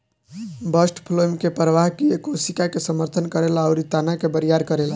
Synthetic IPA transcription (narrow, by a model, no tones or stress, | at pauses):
bəsʈpʰlomkepɾəʋaɦkiekosikakesəməɾt̪ʰənkəɾelaaʊɾit̪anakebəɾijaɾkəɾela